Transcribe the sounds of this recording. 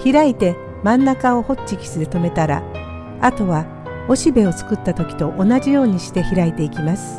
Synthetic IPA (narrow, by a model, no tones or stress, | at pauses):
çiɾait̪e̞ | mãnːakao̞ho̞tt͡ɕikʲi̥sɨd̪e̞t̪o̞me̞t̪aɾa̰ | at̪o̞βa | o̞ɕibe̞o̞t͡sɨ̥kɯ̟t̪ːat̪o̞kʲi̥t̪o̞ʔonaʑijo̞ːɲ̟iɕi̥t̪e̞çiɾait̪e̞ikʲimasɨ̥